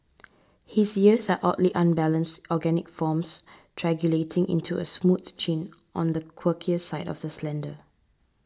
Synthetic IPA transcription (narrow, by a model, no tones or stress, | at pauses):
hisiəsaʔɔtliʔãnbɛlə̃nstɔɡɛnɪkfɔmstʰɹɛɡjuletʰɪ̃ŋʔɪ̰̃ntʰuə̰smutt͡ʃĩn | ʔɔ̃ndəkʰwəkʰiəsaɪdɔ̰fdəslɛ̃ndə